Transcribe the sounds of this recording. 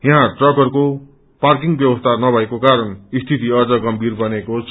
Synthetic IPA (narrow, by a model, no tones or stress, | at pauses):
jʌɦãʈrʌɡʌrko | park̬iŋbjʌbʌst̪ʰanʌbʱʌekokaɾʌnist̪ʰit̪iʌd͡zʌɡʌmbʱirbʌnekot͡sʰ